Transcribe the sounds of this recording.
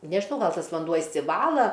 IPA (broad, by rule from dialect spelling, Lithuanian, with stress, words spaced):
nʲɛʒʲɪˈnɐʊ ˈɡɐlˠ ˈtɐs ʋɐnˈduɔ ɪʃʲsʲɪˈʋɑːlˠɐ